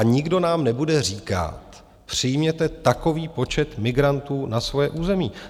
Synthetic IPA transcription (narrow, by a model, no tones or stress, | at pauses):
aɲɪɡdo̞naːmnɛbudɛr̝iːka̰t̪ | pr̝̥ɪjmɲɛt̪ɛt̪ako̞viːpo̞t͡ʃɛt̪mɪɡɾant̪uːnasvojɛːʔuːzɛmiː